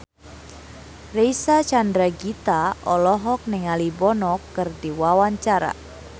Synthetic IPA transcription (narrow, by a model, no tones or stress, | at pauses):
rejsat͡ʃandɾaɡit̪aɔlɔɦɔk̚nɪŋalibɔnɔkːɨrdiwawaɲt͡ʃaɾa̰